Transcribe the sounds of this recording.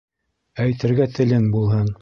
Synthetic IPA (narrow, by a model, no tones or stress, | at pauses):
æjt̪ɘ̆ɾɡæt̪ʰɘ̆lɘŋbulˠɦɤɴ